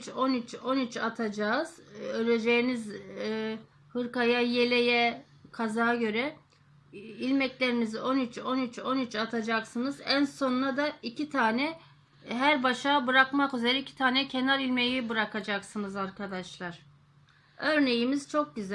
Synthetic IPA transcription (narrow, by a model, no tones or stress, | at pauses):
t͡ʃo̞nyt͡ʃo̞nyt͡ʃat̪ʰad͡ʒaːz̥øɾed͡ʒejiniz | hɯɾkajaje̞lʲejɛ | kʰazaːɟø̞ɾɛ | ilʲmɛclʲe̞ɾiniziʔo̞nyt͡ʃʰo̞nyt͡ʃo̞nyt͡ʃat̪ʰad͡ʒaksɯnɯzænso̞nnad̪aicʰit̪ʰaːnɛ | ɦæɾbaʃaːbɯɾakmakyze̞ɾɛicʰi̥t̪ʰaːnɛcʰe̞naɾilʲme̞jibɯɾakʰad͡ʒaksɯnɯzaɾkʰad̪aʃlˠaɾ̥ | ø̞ɾne̞jimiz̥t͡ʃʰo̞k̚ɟyz